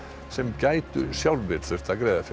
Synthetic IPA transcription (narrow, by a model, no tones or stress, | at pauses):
sɛmcaːjt̪ʏ̰sjawlvɪlθœr̥t̪akɾeɛːjðaf